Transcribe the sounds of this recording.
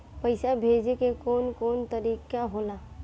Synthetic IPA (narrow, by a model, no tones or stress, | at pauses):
pəɪsabʱeːd͡ʒekekoːnkoːnt̪əɾiːkaɦoːlaː